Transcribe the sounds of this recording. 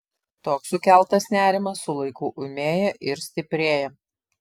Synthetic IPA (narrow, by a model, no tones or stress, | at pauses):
t̪oːksʊkʲæˑlˠt̪ɐsnʲæːɾʲɪmɐsːʊlˠɐɪkʊːʔʊmʲeːjɛʔɪɾsʲt̪ʲɪpʲɾʲeːjɛ